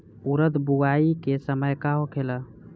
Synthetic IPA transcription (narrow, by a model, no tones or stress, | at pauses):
uɾət̪buɡaikesəməjkaɦokʰelə